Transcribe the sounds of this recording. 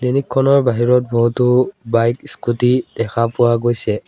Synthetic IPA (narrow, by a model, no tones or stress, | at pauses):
denikʰːɔnɔɹbaɦiɹɔt̚bɔɦutʊbajkskutid̥ɛkʰapʊwaɡojsɛ